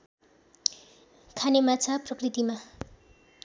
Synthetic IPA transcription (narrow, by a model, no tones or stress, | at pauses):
kʰanemat͡sʰaprʌkrit̪ima